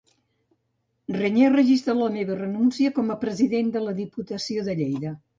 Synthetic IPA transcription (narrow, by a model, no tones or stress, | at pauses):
rəɲerəʒist̪ɾələmeβərənunsiəkɔməpɾəziðend̪ələðiput̪əsioðəʎejðə